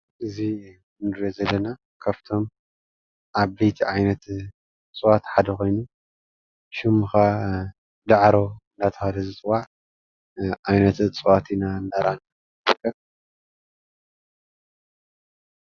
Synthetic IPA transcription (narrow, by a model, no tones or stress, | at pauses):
ʔɨzi | nɨɾozɐlːɐna | kʰaft̪ʰo̞m | ʔaβbɐjt̪ʰiʕajnɐt̪ | t͡sʼɨwat̪ħad̪ɐko̞jnu | ʃɨmxa | d̪aʕɾond̪at̪ʰɐhad̪ɐzɨt͡sʼwaʕ | ʕajnɐt̪t͡sʼɨwat̪ʰinandaɾana | ɾɨkʰːɐβ